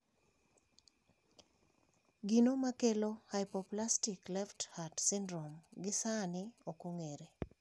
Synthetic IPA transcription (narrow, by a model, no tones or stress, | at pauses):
ɡinomakelohaɪpoplastɪklɛfthatsɪndɾomɡɪsanɪokuŋeɾe